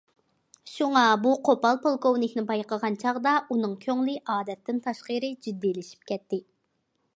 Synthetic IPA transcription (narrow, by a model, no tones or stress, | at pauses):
ʃuŋɑbuqʰopɑlˠpʰolˠkownɪkʲnɪbɑjqʰəʁɑnt͡ʃʰɑʁd̪ɑʔunɨŋkʲʰøŋlɪʔɑːd̪ɛt̪ːɪnt̪ʰɑʃqəɾɨd͡ʒid̪ːilɪʃi̥pkʲɛt̪ːɪ